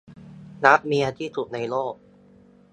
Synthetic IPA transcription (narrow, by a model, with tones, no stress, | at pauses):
na˦˥p̚miː˧ʔa˧t̪ʰiː˦˥˩t̪ʰu˨˩t̪̚na˧jloː˥˩k̚